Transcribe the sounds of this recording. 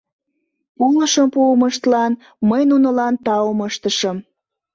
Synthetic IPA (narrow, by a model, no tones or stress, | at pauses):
puləʃəmpuəməʃt̪lɑn | məjnunəlɑnt̪ɑwəməʃt̪əʃəm